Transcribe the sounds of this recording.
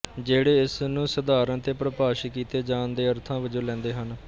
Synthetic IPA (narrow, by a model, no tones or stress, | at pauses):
d͡ʒeːɽeːɪsnũːsəd̪aːɾənt̪eːpɾəpaːʃkiːt̪eːd͡ʒãːnd̪eːəɾt̪ʰãːʋəd͡ʒoːlɛ̃ːnd̪eːɦən